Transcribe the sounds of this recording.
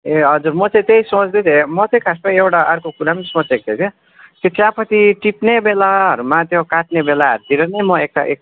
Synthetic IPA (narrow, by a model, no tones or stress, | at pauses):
eɦʌd͡zuɾmʌt͡saĩt̪ejsõt͡sd̪et͡sʰemʌt͡saj̃kʰaspʌewʈaʌrkokuɾamʌnisõt͡sek̚t̪ʰet͡sʰe | t̪jot͡sʰjapʰʌt̪iʈipnebelaɦʌɾumat̪jokaʈ̚nebelaʌ̰ɾt̪iɾʌnʌjmʌek̚ʈa̰ʔḛk̚